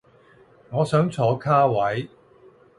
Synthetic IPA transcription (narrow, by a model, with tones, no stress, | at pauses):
ŋɔː˨˧sœː˨˥ŋt͡sʰɔː˨˧kʰaː˥wɐ˨˥j